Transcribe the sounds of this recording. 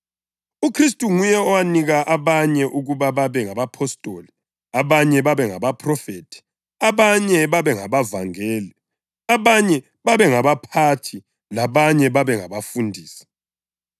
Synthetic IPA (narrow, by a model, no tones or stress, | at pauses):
ukʰristʼuŋujɛɔwaniɣaʔaβaɲɛʔuɣuβaβaβɛŋaβapʰɔstʼoːli | aβaɲɛβaβɛŋa̰βapʰʼrɔfeːtʼʰi̥ | aβaɲɛβaβɛŋaβavaŋɛːli | aβaɲɛ | βaβɛŋaβapʰatʰi | laβaɲɛβaβɛŋaβafundʱiːsi̥